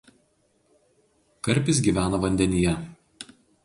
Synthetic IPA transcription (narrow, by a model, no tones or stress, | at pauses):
kɐɾʲpʲɪs̬ɡʲiːˑʋʲæːnɐʋɐnʲd̪ʲɛnʲɪjɛ